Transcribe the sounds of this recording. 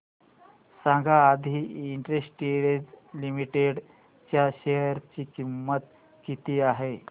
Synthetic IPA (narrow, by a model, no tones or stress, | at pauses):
sãŋɡʱaːd̪ʱiːɳʈɾesʈʈiɾed͡zlimiʈeɽ | t͡ɕjaɕejəɾt͡ɕiːkimːət̪ | kit̪iːaɦe